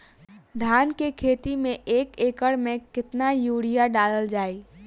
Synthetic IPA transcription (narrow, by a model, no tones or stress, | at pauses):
d̪ʱaːnkekʰeːt̪imẽʔeːkeːkəɽmẽkɪt̪najuɽijaɖaːləld͡ʒaːi